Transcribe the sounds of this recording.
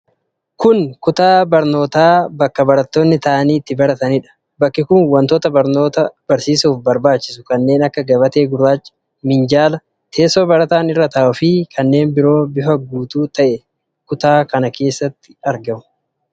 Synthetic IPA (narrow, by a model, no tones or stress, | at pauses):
kʊnkʊt̪aːbɐɾno̞ːt̪aːbɐkːɐbɐɾɐt̪ːoːnːɪt̪ɐʔniːt̪ːɪbɐɾɐt̪ɐnɪᶑɐ̥ | bɐkːɪkʊnwɐnt̪oːt̪ɐbɐɾno̞ːt̪ɐb̥ɐɾsiːsuːfbɐɾbaːt͡ʃːɪsʊ̥kɐnːe̞ːnɐkːɐɡɐbɐt̪e̞ːɡʊɾaːt͡ʃː | mɪnd͡ʒaːlɐ | t̪ʰe̞ːsoːbɐɾɐt̪aːnɪrːɐt̪ɐʔʊfɪkʰɐnːe̞ːnbɪɾo̞ːbɪfɐɡuːt̪uːt̪ɐʔɛ | kʊt̪aːkɐnɐkʰe̞ːsːɐt̪ːɪ̥ɐɾɡɐmʊ̥